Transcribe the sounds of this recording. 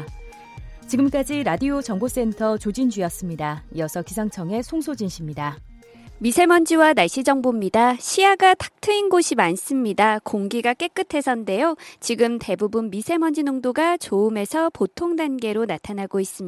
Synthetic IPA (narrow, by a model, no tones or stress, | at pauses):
t͡ɕiɡɯmk͈ad͡ʑiɾadiot͡ɕʌŋɡos͈e̞ntʰʌt͡ɕod͡ʑind͡ʑɥiʌs͈ɯmɲidaijʌsʰʌkisʰaŋt͡ɕʰʌŋe̞sʰoŋsʰod͡ʑinɕʰimɲida | misʰe̞mʌnd͡ʑiwanaɕ͈id͡ʑʌŋbumɲidaɕʰijaɡatʰḁk̚tʰɯinɡoɕʰimans͈ɯmɲidakoŋɡiɡak͈e̞k͈ɯtʰe̞sʰʌnde̞jot͡ɕiɡɯmte̞bubunmisʰe̞mʌnd͡ʑinoŋdoɡat͡ɕoume̞sʰʌpotʰoŋdanɡe̞ɾonatʰanaɡois͈ɯm